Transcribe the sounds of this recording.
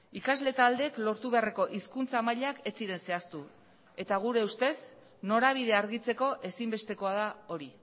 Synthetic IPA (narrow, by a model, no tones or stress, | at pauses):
ikazle̞t̪ald̪e̞klo̞ɾt̪uβe̞areko̞ʔiskunt͡samaʎake̞t͡siɾe̞nse̞ast̪u | e̞t̪aɣ̞uɾe̞ust̪e̞s | no̞ɾaβ̞ið̞e̞aɾɣit͡se̞ko̞ʔe̞simbe̞st̪e̞ko̞að̞ao̞ɾi